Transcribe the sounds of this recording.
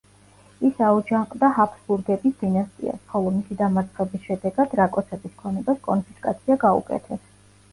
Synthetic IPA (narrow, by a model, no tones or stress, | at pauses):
isaud͡ʒaŋqʼd̪ahapʰsbuɾɡɛbisd̪̥inast̪ʼḭa̰sχɔlˠɔmisid̪amat̪sʰʼχɛbisʃɛd̪ɛɡad̪̥ɾakʼɔt̪sʰɛbiskʰɔnɛbaskʼɔnpʰiskʼa̰t̪sʰiaɡaṵkʼɛ̰t̪ʰɛs